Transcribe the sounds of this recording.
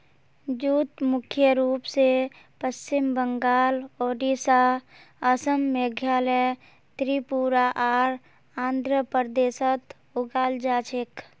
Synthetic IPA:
d͡ʒuːt̪mʊkʰjəɾuːpse | pəst͡ʃɪmbəŋɡaːloːɖisa | əsəmːeɡʱjaːləj | t̪ɾipuɾaʔaːɾ | ãːnd̪ʱɾəpəɾd̪eːsət̪ | ʊɡaːld͡ʒaːt͡ʃʰɪk

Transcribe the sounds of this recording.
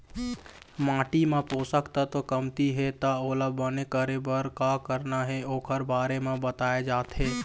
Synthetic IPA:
mãːʈimẽpoːsəkt̪at̪okəmt̪iɦɛt̪aoːləbʱbənekəɾebəɾkakəɾnaɦɛoːkʰəɾbaːɾemẽbət̪aːed͡ʒaːt̪ɦɛː

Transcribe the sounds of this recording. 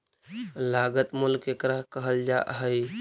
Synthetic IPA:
laɡət̪mulkekɾakəɦəld͡ʒa̰ʔɦəj

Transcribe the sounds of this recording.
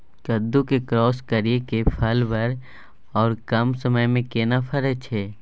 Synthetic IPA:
kəd̪ːukekɾɔːskəɾijekepʰəlʋəɾ | ɔːɾkɐmsəməjmẽkeːnapʰəɾət͡ʃʰɛː

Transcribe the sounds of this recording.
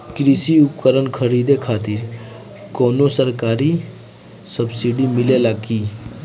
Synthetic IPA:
kɾisiup̚kəɾənkʰəɾid̪ekʰaːt̪iɾ | koːnosəɾkaːɾi | səbsiɖimɪlelaɡiː

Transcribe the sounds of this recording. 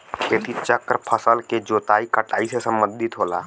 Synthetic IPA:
peːt̪ʰit͡ʃəkɾpʰəsəlked͡ʒoːt̪aːikəʈaːisesə̃mbə̃nd̪ʱɪt̪ɦoːla̰ː

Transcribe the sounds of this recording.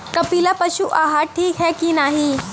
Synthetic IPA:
kɐpiːlapɐʃuʔaːɦaʈʰiːkɦɛkinaːɦi

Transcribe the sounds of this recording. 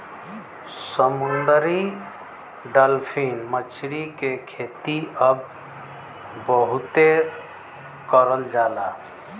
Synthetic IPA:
səmund̪ɾi | ɖəlpʰinmət͡ʃɾikekʰet̪iəb | bəɦut̪e | kəɾəld͡ʒala

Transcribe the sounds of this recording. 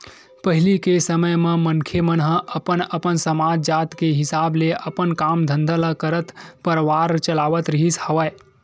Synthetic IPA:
pəɦilikesəməjmemənkʰemənɦəʔəpənəpənsəmad͡ʒd͡ʒat̪keɦɪsaːbleʔəpənkamd̪ʱənd̪ʱələkəɾət̪pəɾʋaɾt͡ʃəlaʋət̪ɾəɦishəʋəj

